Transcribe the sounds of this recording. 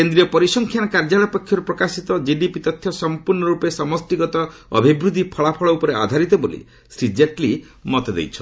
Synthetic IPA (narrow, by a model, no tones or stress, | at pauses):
kend̪ɾiɔpɔɾisɔŋkʰjankaɾd͡ʒaɭɔpɔkʰːjɔɾupɾɔkasit̪ɔd͡ʒiɖipit̪ɔt̪ʰːjɔsɔmpuɾɳɔɾupesɔmɔsʈiɡɔt̪ɔɔ̰bʱibɾud̪ʱipʰɔɭapʰɔɭɔupɔɾea̰d̪ʱaɾit̪ɔbolḭ | sɾid͡ʒeʈli | mɔt̪ed̪ḛjt͡ʃʰɔ̥